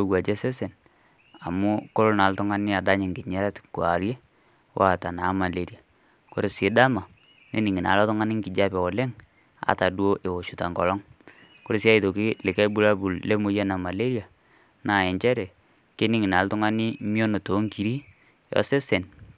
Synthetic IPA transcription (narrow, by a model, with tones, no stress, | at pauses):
o˦˨ɡwa˨d͡ʒɛ˦sɛ˦se˨n | a˨mu˦ko˦ɾo˦na˨ltʊ˦ŋa˦nɪ˦a˨da˦ɲɪ˨ŋkɪ˨ɲɛ˦ɾɛ˦tku˨a̰˨ɾje˦ | wʔa˦˨ta˨na˨˦ma˨le˨ɾi˨a˨ | ko̰˦ɾɪ˨sɪ˨˦da˦ma˨ | ne˦ni˨ŋi˨na̰˨lɔ˦tɔ˦ŋa˦nɪ˦ŋki˨d͡ʒa˦pɛ˨wɔ˨lɛ˦ŋ | a̰˨ta˨du˦o˦ʔe˨wo˨ʃu˨ta˨ŋɡɔ˨lɔ˦ŋ | ko˦ɾɪ˦sja˦i˨to˨ki˦lɪ˨kɛ˦bu˦ɾa˦bu˨lle˦mu˦jɛ˦na˨ma˨le˦ɾja˨ | na˨ɛ˨ɲt͡ʃɛ˦ɾɛ˨ | ke˦ni˦ŋi˨na˨ltʊ˦ŋa˦ni˦mi˦o˦no˨to˨˦ŋki˨ɾi˦ | jɔ̰˦sɛ˦sɛ˨n